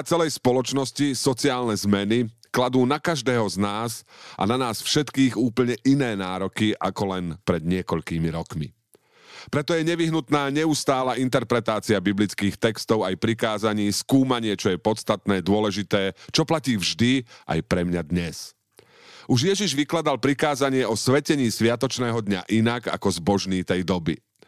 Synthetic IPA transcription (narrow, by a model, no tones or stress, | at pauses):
at͡sɛlɛjspɔlɔt͡ʃnɔscisɔt͡siaːlnɛzmɛni | klad̪uːnakaʒd̪ɛːɦɔznaːsʔa̰nanaːsfʃɛt̪kiːɣuːpl̩ɲɛʔinɛːnaːɾɔkiʔa̰kɔlɛnpɾɛd̪ɲɪɛkɔʎkiːmiɾɔkmḭ | pɾɛt̪ɔjɛɲɛʋiɦnut̪naːɲɛust̪aːlaʔint̪ɛɾpɾɛt̪aːt͡siabiblit͡skiːxt̪ɛkst̪ɔʊajpɾikaːzaɲiːskuːmaɲɪɛt͡ʃɔjɛpɔt̪st̪at̪nɛːd̪ʊɔlɛʒit̪ɛːt͡ʃɔplaciːvʒd̪iʔa̰jpɾɛmɲad̪ɲɛs | ʔuʒjɛʒiʒʋiklad̪alpɾikaːzaɲɪɛɔsʋɛcɛɲiːsʋɪat̪ɔt͡ʃnɛːɦɔd̪ɲa̰ʔinaɡa̰kɔzbɔʒniːt̪ɛjd̪ɔbḭ